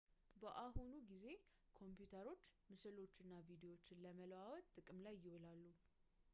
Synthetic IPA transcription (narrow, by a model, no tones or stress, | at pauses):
bəʔaɦunuɡize̞ | kʰo̞mpjut̪ʰəɾo̞t͡ʃːmɨsɨlo̞t͡ʃːɨnːavid̪ewo̞t͡ʃːɪnləməlwawɔt̪ːʼɨkʼɨmlajːɪwolalːu